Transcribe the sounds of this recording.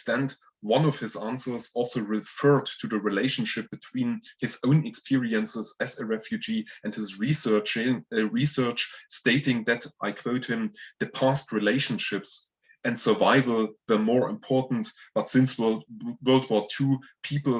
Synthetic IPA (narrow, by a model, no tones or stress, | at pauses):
stæ̃nd | wʌ̃nʌvhɪzæ̃nsə˞zɔlˠsoʊɹɪfɜ˞dtʰɨðɨɹileɪʃn̩ʃɪp̚b̥ɨtʰw̥ĩːnhɨzõʊ̃nɨkspʰɪɹiɨ̃nsəzɨzɨɹɛfjʉd͡ʒiʔɨ̃ndhɪzɹisɜ˞t͡ʃɪ̃ɨɹisɜ˞t͡ʃsteɪtɪ̃ŋðɨtʔaɪkʰw̥oʊt̚hɪ̃mðɨpʰæstɹileɪʃə̃nʃɪps | ʔɨ̃ndsə˞vaɪvl̩ˠðə˞mɔɹɪ̰̃mpʰɔɹʔn̩tb̥ʌtsɪ̃nswwɜ˞lˠd̚wɔtʰuːpʰipl̩ˠ